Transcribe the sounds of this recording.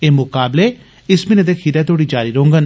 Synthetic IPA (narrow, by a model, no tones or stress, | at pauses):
eːmʊkaːbleː | ɪsmɪneːd̪eːkʰiːɾɛːt̪oːɽiːd͡ʒaːɾiːɾoːŋɡən